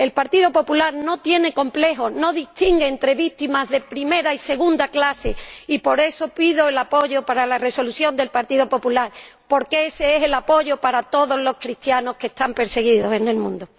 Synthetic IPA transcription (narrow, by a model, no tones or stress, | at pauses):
e̞lpaɾt̪iðo̞po̞pulaɾno̞t̪je̞ne̞ko̞mple̞ɦo̞no̞ðist̪iŋɡeːnt̪ɾe̞βit̪imazðe̞pɾime̞ɾaise̞ɣ̞ũnd̪aklase̞ipo̞ɾe̞so̞piðo̞elapo̞ʝo̞paɾalare̞so̞luθjo̞nd̪e̞lpaɾt̪iðopo̞pulaɾpo̞ɾke̞ese̞eselapo̞ʝo̞paɾat̪o̞ðo̞zlo̞skɾit̪jano̞hke̞ːht̪ampe̞ɾse̞ɣ̞iðo̞se̞ne̞lmũnd̪o